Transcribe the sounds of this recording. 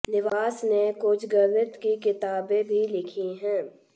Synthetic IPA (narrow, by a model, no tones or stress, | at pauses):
nɪʋaːsnekoːt͡ʃɡəɾʋət̪kikɪt̪aːbẽbʱilɪkʰiɦɛ̃ː